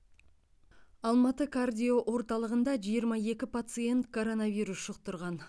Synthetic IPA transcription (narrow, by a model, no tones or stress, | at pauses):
ɑlˠmɑt̪əkʰard̪ʲijoʔwʔo̞ɾt̪ɑlˠəʁənd̪ɑʒijəɾmɑe̞kʲɪpat̪sɨje̞nt̪kʰo̞ɾo̞nɑvijɾusʃʊq̚t̪əɾʁɑn